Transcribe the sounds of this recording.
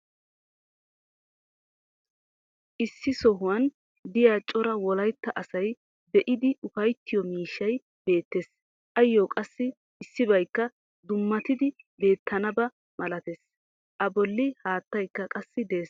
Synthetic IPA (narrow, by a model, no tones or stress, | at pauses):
ʔɪsːɪsɔɦʊwɐn | d̪ɪjaːt͡ʃʼɔɾɐwɔlɐjt̪ːɐʔɐsɐj | d̪ɛʔɪd̪ɪʊfɐjt̪ːɪjɔmiːʃːɐj | b̥e̞ːt̪ːeːs | ʔɐjːoːkʼɐsːɪ | ɪsːɪβɐjkːɐ | d̪ʊmːɐt̪ɪd̪ɪ | be̞ːt̪ːɐnɐbɐ | mɐlɐt̪es | ʔɐbɔlːɪhaːt̪ːɐjkːɐkʼɐsːɪd̪eːs